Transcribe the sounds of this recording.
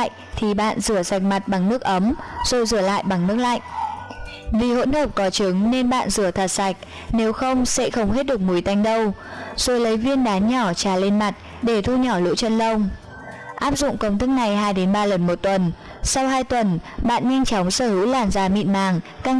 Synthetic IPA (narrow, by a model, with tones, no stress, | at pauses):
jʔ | t̪ʰi˨˩ɓa̰ː˧˨nzɨ˧˩əza˨˩jk̟̚ma˨˩t̚ɓa˨˩ŋnɨ˦˥ək̚ʔə˨˦mz̥o˨˩jzɨ˧˩əla̰ː˧˨jɓa˨˩ŋnɨ˦˥ək̚la̰˧˨jŋ̟ʔ | vi˨˩ho̰˧˥nhəː˨˩p̚kɔ˨˦t͡ɕɨ˨˦ŋne˧nɓa̰ː˧˨nzɨ˧˩ət̪ʰə˨˩t̚sa˨˩jk̟̚ | ne˨˦wxə˧wŋ͡msɛ̰˧˥xə˧wŋ͡mɦe˦˥t̚ɗɨ˨˩ək̚mu˨˦jt̪a˧jŋ̟ɗə˧wz̥o˨˩jlə˨˦jvi˧ənɗaː˨˦nɲɔ˧˩t͡ɕaː˨˩le˧nma˨˩t̚ | ɗe˧˩t̪ʰu˧ɲɔ˧˩lṵ˧˥t͡ɕə˧nlə˧wŋ͡m | ʔaː˦˥p̚zʊ̰˧˨ŋ͡mkə˧wŋ͡mt̪ʰɨ˦˥k̚na˨˩jɦaː˧jɗe˨˦nɓaː˧lə˨˩nmo˨˩t̚t̪wə˨˩n | sa˧wɦaː˧jt̪wə˨˩nɓa̰ː˧˨nɲa˧jŋ̟t͡ɕɔ˨˦wŋ͡msəː˧˩hɨ̰˧˥wlaː˧˩nzaː˨˩mḭ˧˨nmaː˨˩ŋka˧ŋ